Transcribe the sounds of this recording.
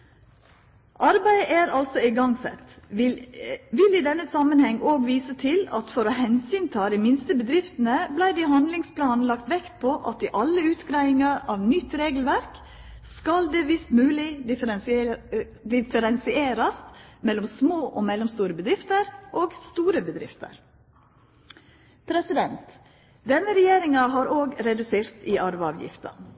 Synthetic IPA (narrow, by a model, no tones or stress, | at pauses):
ʔɑɾbæɪʔæːɾɑlsɔɪɡɑŋsɛ̰t̪ːɪʋɪlɪd̪ɛnːəsɑmːənhɛŋːoːɡʋiːsət̪ʰɪlɑt̪fɔɾɔhɛnsyːnt̪ʰɑːd̪ɪmɪnst̪əbəd̪ɾɪft̪ənəblæɪd̪ɪhɑnd̪lɪŋspʰlɑːnn̩lɑkt̪ʋɛkt̪̚pʰɔʔɑt̪ɪʔɑlːəʉːt̪ɡɾæɪɪŋɑɾɑːʋnʏt̪ːɾeːɡəl̩ʋæɾk | skɑld̪eːʋɪst̪mʉːlɪɪɾ | d̪ɪfəɾɛnsɪeːɾɑsmɛlːɔmsmoːʔɔmɛlːɔmst̪uːɾəbəd̪ɾɪft̪əɾʔoːɡst̪uːɾəbəd̪ɾɪft̪ə̰ɾ | pʰɾɛsɪd̪ɛnt̪ | d̪ɛnːəɾɛjeːɾɪŋɑɦɑːɾoːɡɾɛd̪ʉseːɾt̪ɪʔɑɾʋəɑ̰ːʋjɪ̰ft̪ɑ̰